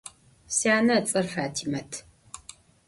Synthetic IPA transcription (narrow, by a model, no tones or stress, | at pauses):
sjaːnɐt͡sʼɐrfaːtʰimɐtʰ